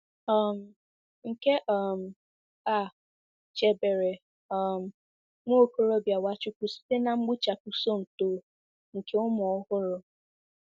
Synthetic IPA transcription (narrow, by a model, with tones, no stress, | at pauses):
ɔ˦˨m̩˨ | ŋ̩˨ke˦ʔɔ˦m̩˨ | a˨ | t͡ʃe˨be˨ɾe˨ | ɔ˦˨m̩˨ | ŋʷo˦˨ko˦ɾo˦bja˨wa˦t͡ʃʊ˦kʷu˦si̥˦te˦na˨ŋ͡m̩˦ɡ͡bʊ˦t͡ʃa˨ku˨so˦n̩˨toː˨ | ŋ̩˨ke˦ʊ˦mɔ˨˦hʊ˦ɾʊ˨